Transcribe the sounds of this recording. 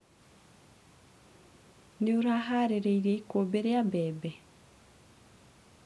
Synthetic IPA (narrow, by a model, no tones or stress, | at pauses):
neoɾaɦaɾeɾeiɾeikobeɾejabeːbe